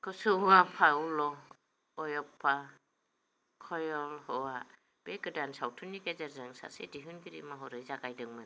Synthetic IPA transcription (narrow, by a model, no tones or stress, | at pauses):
kʰɔsɯapʰaulɔ | ɔjɔpʰːa | kʰɔjɔlhɔwa | b̥eɡɯdansawtʰunːiɡezaɾzɯŋsa̰sḛdiɦɯnɡiɾḭmaɦɔɾɯjzaɡajdɯŋmɯn